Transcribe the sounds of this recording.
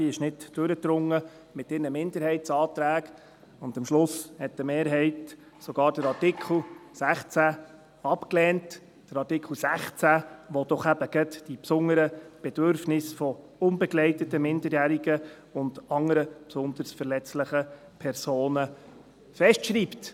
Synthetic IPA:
d̥iɪʃnɪdd̥øɾət̪ɾʊŋːə | mɪtɪnəmɪndəɾhɛɪtsɑːt̪ɾæːɡ | ʊndəmʃlʊshɛtːəmeːɾɦɛɪt | sɔɡ̥ɑːɾd̥əɾɑɾtɪkʰl̩sæχt͡sæ | ɑpklɛːnt | d̥əɾɑtɪkʰl̩ˠsæχt͡sæʋɔd̥ɔχæb̥əɡ̥ət̪d̥ipsʊŋəɾəb̥ɛd̥øɾfnɪsfɔ | ʊnbɛɡlɛɪtətəmɪndəɾjæːɾiɡə | ʊndɑŋəɾəpsʊnd̪əɾsfəɾlɛt͡slɪχə | pʰɛɾsoːnə | fɛʃtʃɾiːpt

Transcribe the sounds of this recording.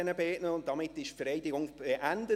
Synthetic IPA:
ɛnəbeːʔnəʊntd̥ɑmɪtɪʃfəɾɛɪdɪɡʊŋbeʔændə

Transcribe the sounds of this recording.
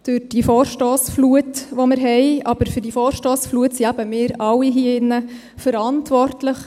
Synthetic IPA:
d̥øɾd̥ifoːɾʃtoːsfluətʋomɪɾɦɛɪɑb̥əɾfʏɾdifoːɾʃtoːsfluətsiæb̥əmɪːɾɑwiɦiəɪnːə | fəɾɑntʋɔrtləχ

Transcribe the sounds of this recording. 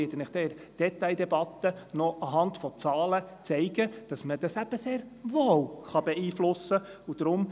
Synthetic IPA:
ɪdənɪχd̥ɛɾ | d̥ɛt̪ɑɪd̪ɛbɑt̪ːənɔʔɑɦɑntfɔt͡sɑːlət͡sɛɪɡəd̥ɑsməd̥ɑsæb̥əseːɾʋoːwχɑbɛiːflʊsːəud̥̪ɾʊm

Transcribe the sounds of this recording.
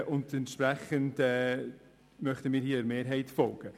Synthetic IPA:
ʔʊndɛntʃpɾɛχəndɛː | mœχtəmiːɾhiːəɾmeːɾɦɛɪtfɔlɡ̥ə

